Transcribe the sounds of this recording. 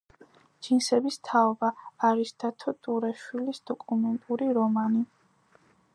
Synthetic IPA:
d͡ʒinsɛbist̪ʰaɔbaːɾisd̪̥ʰat̪ʰɔt̪ʼuɾɛʃwilisd̪̥ɔkʼumɛnt̪ʼuɾiɾɔmani

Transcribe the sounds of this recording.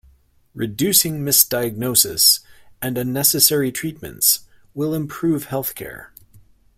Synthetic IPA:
ɹɨdʉsɪ̃ŋmɪsd̥aɪɨɡ̚noʊsɨ̰sɨ̃nɨ̃nːɛsɨsɛɹitʰɹ̥it̚mɨ̰̃ntswɪlˠə̃mpʰɹ̥ʉv̥hɛlˠθkʰɛ̰ɹ

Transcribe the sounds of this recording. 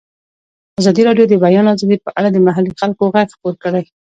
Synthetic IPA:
azɑd̪iɾɑɖjod̪əbajɑnazɑd̪ipəʔa̰ɽad̪əmaɦalːixalkoɣajxquɾkəɽaj

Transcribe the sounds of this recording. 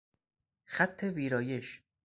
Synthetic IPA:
xæt̪ʰːeviːɾɒːjeʃ

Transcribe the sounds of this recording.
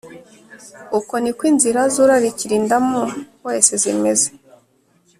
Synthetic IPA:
uko̞nikwiːnziɾazuɾaɾiciɾiːndamuwesezimeze̥

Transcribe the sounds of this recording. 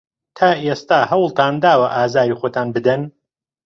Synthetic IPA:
t̪ʰaːʔest̪aːhɐwlˠt̪ʰaːnd̪aːwɐʔaːzaːɾiːxoːt̪ʰaːnbɨd̪ɐn

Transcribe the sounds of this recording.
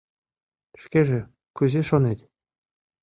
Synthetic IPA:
ʃkʲeʒĕ | kyzʲeʃŏnet̪ʲ

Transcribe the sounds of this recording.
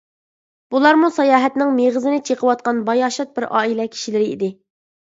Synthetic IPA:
b̥ulˠɑɾmusɑjɑːɦɛt̪nɪŋmeʁɨzɨnɪt͡ʃʰeqʰəwɑt̪̚qɑnbɑjɑːʃɑt̪̚bɪɾʔɑ̰ːilɛkʲʰi̥ʃilɪɾɪḭd̪ɪ

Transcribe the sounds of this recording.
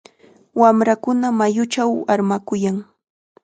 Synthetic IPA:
wamɾakʊnamajʊt͡ʃawaɾmakʊjaŋ

